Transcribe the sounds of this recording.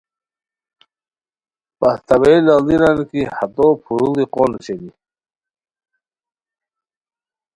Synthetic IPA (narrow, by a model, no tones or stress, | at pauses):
past̪aβelaliɾankihat̪ɔpʰuɾuliqonɕeni